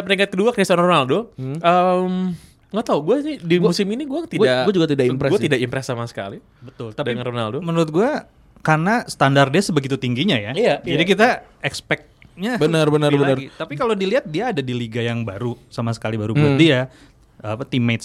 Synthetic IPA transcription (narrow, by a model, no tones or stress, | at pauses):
apəniŋat̪̚kəduakɾiasanɔrmaldʊhəm | ŋat̪auɡuanidimusɪminiɡuat̪iaɡuad͡ʒuɡat̪idaimpɾɛɡuat̪idakimpɾɛsamasə̥ka̰li | bət̪ʊlt̪adŋnɔnaldʊmənuɾʊt̪̚ɡua | karnasə̥t̪andardiasəbəɡit̪ut̪iŋɡiɲajaijad͡ʒadikit̪a | ɛkspɛk̚t̪̚ | ɲabənərbənəbənərit̪apikalodiliat̪̚diaːdadiliɡajaŋbaɾusamasə̥kalibaɾubt̪̚dia | apat̪imet̪̚